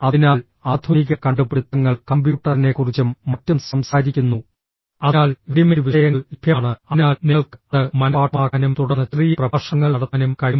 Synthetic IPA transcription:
ɐðinaːl | aːd̪ʰʱoniɣɐkɐɳɖupːeɽut̪ːɐŋːɐɭkɐmbjuːʈːɐrine̞kːurit͡ɕːumːɐtːɐmsɐmsaːɾikʲːunːu | ɐnaːlʋiɽimeɾʋiʂɐjɐŋːɐɭibʱjaːɳɨɐnaːlneɭkɐðɨmɐnɐaːʈmaːɣɐnumt̪uɽɐnːɐriːjɐprɐɐrʂɐŋːɐɭɐɽɐt̪ːɐnumkɐɻim

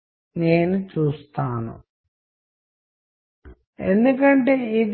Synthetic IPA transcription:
ne̞ːnut͡ʃuːst̪aːnṵ | e̞nd̪ukɐɳʈe̞ːid̪

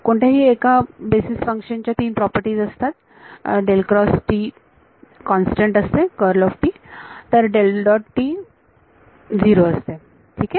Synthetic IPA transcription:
koɳʈʰaɦiːekabesisfəŋkʂənt͡ɕjat̪iːnpɾɔpəɾʈiːd͡zəst̪at̪ | ɖelkɾɔsʈiː | kɔnsʈeɳʈəst̪ekəɾlɔfʈiːt̪əɾɖelɖɔʈʈiː | d͡ziɾoəst̪e | ʈʰiːkɛ

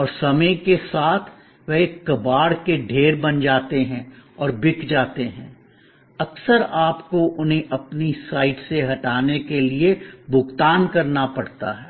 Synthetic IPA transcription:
ɔːɾsɐməikesaːt̪ʰ | ʋɛɦekːɐbaːɽkeɖʱeːɾbɐnd͡ʒaːt̪eɦɛ̃ɔːɾbɪkd͡ʒaːt̪eɦɛ̃ː | ɐksəɾaːpkoʔʊnɦẽʔɐpnisaːɪʈseɦɐʈaːnekeliebʱʊɡt̪aːnkɐɾnapɐɽt̪a̰ɦɛː

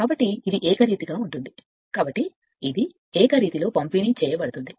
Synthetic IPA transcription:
kaːbɐʈːiːd̪iʔɛːkɐɾiːt̪iɡaːuɳʈund̪i | kaːbɐʈːi | id̪i | ɛːkɐɾiːt̪ilo̞ːpɐmpiːnit͡ʃɛːjɐbɐɽut̪und̪i

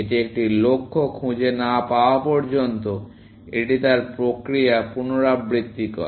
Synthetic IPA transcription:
et̪eek̚ʈilokʰːokʰũd͡ʑenapaoapɔɾd͡ʑont̪o | eʈit̪aɾpɾokɾiapunoɾabɾit̪ːikɔ̰e

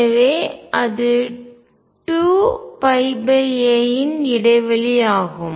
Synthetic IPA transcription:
ɐʋeːʔɐðɯ | ʈuːpɐɪbɐɾjɐjɪnɪɽɐɪʋɐlɪjaːɣɯm

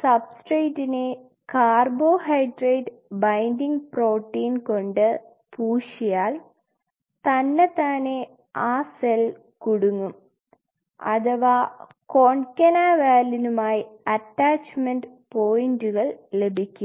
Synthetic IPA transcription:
sɐbsʈrejtːine | kaːrbo̞ːhɐjɖreːɖ | bɐjndiŋɡpro̞ːʈːiːnko̞ɳɖɨ | puːʂijaːl | t̪ɐnːet̪aːne | aːsel | kuɽuŋːum | ɐ̰ðɐʋaː | ko̞ːɳkʲːɐnaːʋaːlinumaːjiɐtːaːt͡ɕmenɖ | po̞ːjinduɣɐɭle̞bʱikʲːum

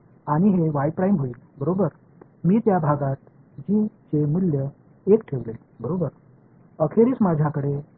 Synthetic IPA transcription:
aɽ̃iɦeʋajpɾajmɦoiːlbəɾobəɾ | miːt̪jabʱaɡat̪̚ | d͡ʑiːt͡ɕemuljə | ekʈʰeʋlelbəɾobəɾ | əkʰeɾiːt͡smad͡ʑʱjakəɽe

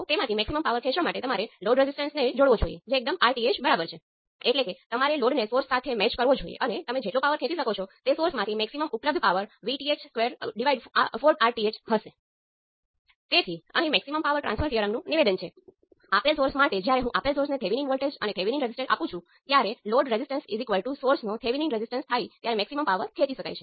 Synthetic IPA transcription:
t̪emãt̪ʰimɛksiməmpaʋəɾkʰɛ̃ʃʋamaʈet̪əmaɾeloɖɾezisʈə̃nsned͡ʒoɽʋod͡ʒoijḛd͡ʒeːk̚d̪əmaɾʈiet͡ʃbəɾabəɾt͡ʃʰe | eʈleket̪əmaɾeloɖnesoɾsːat̪ʰemɛt͡ʃkəɾʋod͡ʒoḭjḛʔənet̪əmẽd͡ʒeʈlõpaʋəɾkʰẽt̪iʃəkot͡ʃʰɔt̪esoɾsmãt̪ʰimɛksiməmʊpləb̚d̪ʱpaʋəɾʋiʈiet͡ʃskʋeɾɖiʋaiɖfoɾʈaɾʈiet͡ʃɦəʃe | t̪et̪ʰiə̰ɦĩmɛksiməmpaʋəɾʈɾã̰nsfʰəɾfiəɾəmnũniʋed̪ənt͡ʃʰe | apelsoɾsmãʈ̪ed͡ʒjaɾeɦũʔapelsoɾsnet̪ʰeʋiniŋɡʋəlʈed͡ʒə̰net̪ʰeʋiniŋɾezisʈẽʈa̰pũt͡ʃʰũ | t̪jaɾeloɖɾezisʈənsizikʋəlʈusoɾsnõt̪ʰeʋiniŋɡɾezisʈənst̪ʰait̪jaɾemɛksiməmpaʋəɾkʰẽt̪iʃəka̰jt͡ʃʰe̥

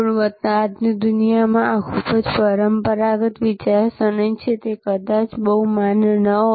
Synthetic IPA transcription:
uɽʋət̪naːd̪nid̪unijamãakʰubəd͡ʒpəɾəmpəɾaɡət̪ʋɪt͡ʃaɾsəɳəjt͡ʃʰet̪ekəd̪at͡ʃbəɦumanənəɦo

